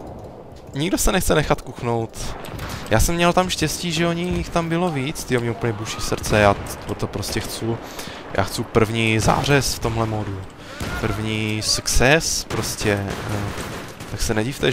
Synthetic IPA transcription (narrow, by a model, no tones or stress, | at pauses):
ɲɪɡdo̞sɛnɛxt͡sɛnɛxat̪kuxno̞wt̪jaːsɛmːɲɛlt̪amʃcɛsciːʒɛoɲɪxt̪ambɪlo̞viːt͡st̪ɪomɲɛupəɲɛbuʃisr̩t͡sɛjat̪opɾoscɛxt͡su | jʔa̰ːxt͡supr̩vɲiːza̰ːr̝ɛsft̪o̞mɦlɛmodu | pr̩vɲiːsuksɛspɾoscɛ | t̪aksɛnɛɟift̪ɛ